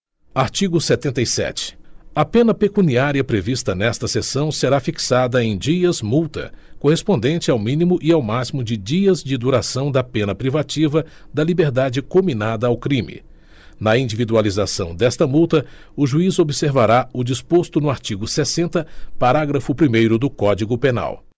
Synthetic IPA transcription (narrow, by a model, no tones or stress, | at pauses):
aɾt͡ʃiɡʊset̪ẽnt̪ɐjsɛ̰t͡ʃɪ̥ɐpẽnɐpekuniaɾiɐpɾevist̪ɐnɛst̪ɐsesɐ̃w̃seɾafiksad̪ɐẽj̃d͡ʒiɐzmuwt̪ɐ̰kohespõnd̪ẽnt͡ʃɪawmĩnimʊʔiawmasimʊd͡ʒɪd͡ʒiɐzd͡ʒɪd̪uɾasɐ̃w̃d̪ɐpẽnɐpɾivat͡ʃivɐd̪ɐlibeɾd̪ad͡ʒɪkominad̪ɐawkɾĩmɪ̰ | nɐĩnd͡ʒivid̪ualizasɐ̰̃w̃d̪ɛst̪ɐmuwt̪ɐ | ʊʒuizobɪseɾvaɾaʊd͡ʒispost̪ʊnʊaɾt͡ʃiɡʊsesẽnt̪ɐpaɾaɡɾɐfʊpɾimejɾʊd̪ʊkɔd͡ʒiɡʊpena̰w